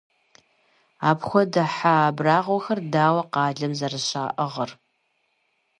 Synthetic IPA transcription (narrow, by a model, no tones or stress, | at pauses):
aːpxʷɔdɐħaːbraːʁʷɔxɐrdaːwɐqɑːɮɐmzɐrɨɕa̰ːʔəʁɐr